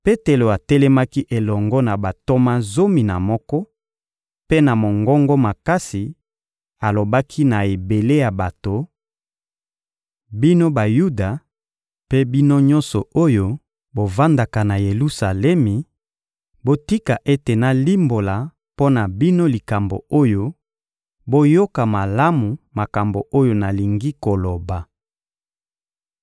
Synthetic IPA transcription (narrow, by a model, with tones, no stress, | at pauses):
pe˦te˨lo˨a˨tɛ˦lɛ˦ma˦ki˦ʔe˨lɔ˨ŋɡɔ˦na˨ba˨to˦ma˦zo˦mi˨na̰˨mɔ˦kɔ˦ | pe˦na˨mo˨ŋɡɔ˦ŋɡɔ˦ma˨ka˦si˨ | a˨lo˨ba˦kʰi˦na˨e˨be˨le˦ja˨ba˨to˨ | bi˦no˦ba˨ju˦da˨ | pe˦bi˦no˦ɲɔ̃˦nsɔ˨o˦jo˦ | bo˨va˦nda˨ka˨na˨je˨lu˦sa˨lɛ˦mi˨ | bo˦ti˦ka˨ʔe˦te˨na˨li˦mbo˨la˨ | po˦na˨bi˦no˦li˨ka˨mbo̰˨o˦jo˦ | bo˦jo˦ka˨ma˨la˦mu˨ma˨ka˨mbo˨ʔo˦jo˦na˨li˨ŋɡi˦ko˨lo˨ba˨